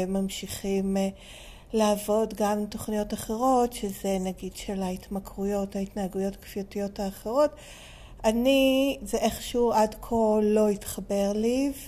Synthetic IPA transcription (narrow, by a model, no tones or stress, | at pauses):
mamʃiχim | laːvo̞dɡamto̞χnijo̞taχe̞ʁo̞tʃeze̞naɡidʃelaitmakʁujothaitnaaɡujo̞takfiotijo̞taːχeʁo̞t | anizeʔeχʃuadkʰo̞lo̞itχabe̞ʁliv